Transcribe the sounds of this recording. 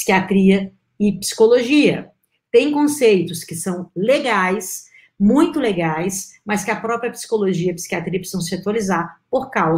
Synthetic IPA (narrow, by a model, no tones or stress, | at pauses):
i̥kiat̪ɾiɐ | ɪpsi̥koloʒiɐ̰ | t̪ẽj̃kõsejt̪ʊskɪsɐ̃w̃leɡajs | mũj̃t̪ʊleɡajsmɐskɪɐpɾɔpɾjɐpsi̥koloʒiɐpi̥si̥kiat̪ɾiɐpi̥sɐ̃w̃sɪat̪walizaɾpoɾkaw